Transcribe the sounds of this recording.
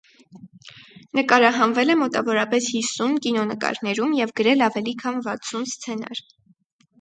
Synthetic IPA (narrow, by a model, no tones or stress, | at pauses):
nəkɑɾɑɦɑnvɛlɛmɔt̪ɑvɔɾɑpɛshisunkinɔnəkɑ̰ɾnɛɾumjɛvɡəɾɛlɑvɛlikʰɑnvɑt͡sʰunst͡sʰɛnɑ̰ɾ